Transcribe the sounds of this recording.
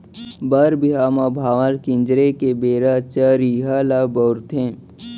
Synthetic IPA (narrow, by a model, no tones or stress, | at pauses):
bəɾbʱiɦamabʱaːʋəlkɪ̃nd͡ʒɾekebeːɾat͡ʃəɾiɦalaboːɾt̪ʰẽː